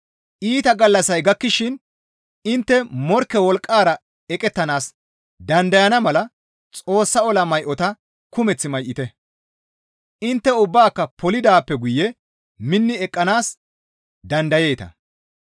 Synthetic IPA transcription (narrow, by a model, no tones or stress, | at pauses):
ʔiːt̪ɐɡɐlːɐsɐjɡɐkːɪʃɪn | ɪnt̪ːɛmɔɾkːɛwɔlkʼːaːɾɐ | ɛkʼɛt̪ːɐnaːs | d̪ɐnd̪ɐjɐnɐmɐlɐ | t͡sʼo̞ːsːɐɔlɐmɐjʔɔt̪ɐ | kʊmɛt͡sːɪmɐjʔːɪt̪ɛ | ʔɪnt̪ːɛʊbːaːkːɐpɔlɪd̪aːpːɛɡʊjːɛ | mɪnːɪɛkʼːɐnaːs | d̪ɐnd̪ɐje̞ːt̪ɐ̰